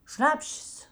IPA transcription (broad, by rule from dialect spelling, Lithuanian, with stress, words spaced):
ˈʃnɑːpʲʃʲeːs